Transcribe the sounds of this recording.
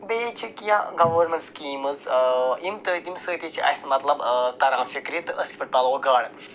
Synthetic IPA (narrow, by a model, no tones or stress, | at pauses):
beːt͡ʃʰikijaɡɐʋɐɾmẽɳʈskiːmɨzimt̪ət̪imsəːt̪it͡ʃʰiʔɐ̰jsmɐt̪lɐbt̪ɐɾaːnfikɾit̪ɨʔəskʲi̥fɐʈʈaːloɡaːɽ